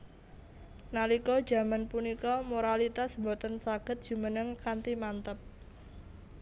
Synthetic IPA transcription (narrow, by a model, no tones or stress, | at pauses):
nalikɔd̥ʒ̥ä̤manpunikɔmoɾalit̪asmbot̪ənsaɡ̥ə̤t̪̚dʒ̥umənəŋkant̪imant̪əp̚